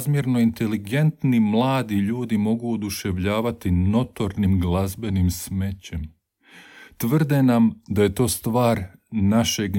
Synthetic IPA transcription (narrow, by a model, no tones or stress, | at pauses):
zmjeɾno̞int̪e̞liɡe̞nt̪nimlˠaːd̪iʎuːd̪imo̞ɡuod̪uʃe̞ʋʎaːʋat̪ino̞t̪o̞ɾnimɡlˠazbe̞nimsme̞t͡ɕem | t̪ʋr̩d̪e̞namd̪aje̞t̪o̞ːst̪ʋaːɾnaʃe̞ɡ